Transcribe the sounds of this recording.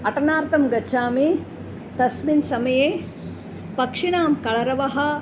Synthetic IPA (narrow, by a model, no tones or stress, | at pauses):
ɐʈɐnaːɾt̪ɐmɡɐʃʰaːmi | t̪ɐsminsɐmɐjeː | pɐkʂiɳaːmkɐɭɐɾɐʋɐɦɐ̆